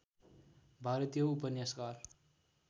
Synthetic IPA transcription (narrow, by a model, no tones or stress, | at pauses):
bʱaɾʌt̪ijʌupʌnjaskar